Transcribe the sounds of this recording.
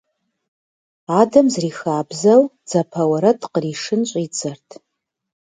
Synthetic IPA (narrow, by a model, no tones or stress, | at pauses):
aːdɐmzriːxaːbzɐl | d͡z̥ɐpʰɐwɐɾɐtʼqəriːʂɨnɕʼiːt͡sʼɐrtʰ